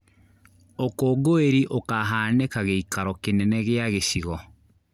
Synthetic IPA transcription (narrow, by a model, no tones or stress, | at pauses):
okoːɡoeɾiʔokaɦaːnekaɣeikaɾɔkenɛnɛɣeaɣesiɣɔ